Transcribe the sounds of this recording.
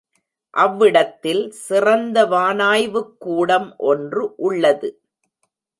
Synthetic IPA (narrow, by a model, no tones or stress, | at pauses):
ʔɐʋːɪɽɐt̪ːɪlsɪrɐnd̪ɐʋaːnaːjʋɯkːuːɽɐmʔɔndrɯʔʊɭːɐðɯ